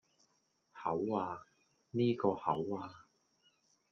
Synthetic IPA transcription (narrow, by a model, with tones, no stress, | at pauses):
hɐ˨˥waː˧ | niː˥kɔː˧hɐ˨˥waː˧